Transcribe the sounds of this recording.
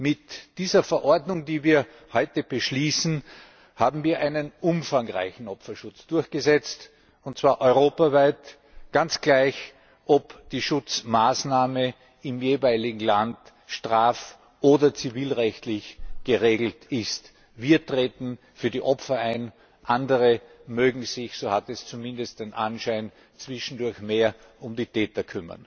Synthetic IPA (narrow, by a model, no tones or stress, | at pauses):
mɪtd̥iːzɐfɛɐʔɔɐdnʊŋdiːviːɐ | hɔʏtəb̥əʃliːsn̩ | haːbm̩viːɐʔaɪnənʔʊmfaŋʁa̰ɪçn̩ɔpfɐʃʊt͡sd̥ʊɐçɡ̥əzɛt͡st | ʊnt̚t͡sv̥aːɐʔɔʏʁoːpavaɪt | ɡ̥ant͡sɡ̥læɪç | ʔɔpd̥iːʃʊt͡smaːsnaːmə | ɪmjeːvaɪlɪɡŋ̩land | ʃtʁaːf | ʔoːdɐt͡siviːlʁɛçtlɪçɡ̥əʁeːɡl̩tɪst | viːɐtʁ̥eːtn̩ | fyːɐdiʔɔpfɐaɪn | ʔandəʁəmøːɡŋ̩z̥ɪçsoːhatɛst͡sumɪ̃ndəst̚d̥enʔanʃaɪn | t͡sv̥ɪʃn̩dʊɐçmeːɐ | ʊmdiːtʰɛːtɐkʰʏmɐ̰n